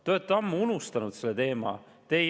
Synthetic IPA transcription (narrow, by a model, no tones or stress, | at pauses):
t̪oet̪ːˑɑmːuunust̪ɑnud̪̥selːet̪e̞ːmɑ̰ | t̪ej